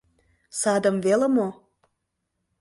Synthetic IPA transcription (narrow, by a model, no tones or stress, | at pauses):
sɑd̪ə̆mvelə̆mo